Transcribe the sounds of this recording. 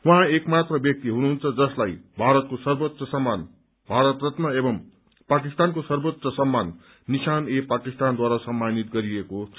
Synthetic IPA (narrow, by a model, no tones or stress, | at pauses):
wʌɦãekmat̪rʌbjʌk̚t̪iɦunuɦunt͡sʰʌd͡zʌslajbʱaɾʌt̪̚kosʌrbot̪sʌsʌmːan | bʱaɾʌt̪rʌt̪mʌebʌm | pakist̪ankosʌrbot̪sʌsʌmːanː | isanepakist̪and̪waɾasʌmːanit̪ɡʌɾieko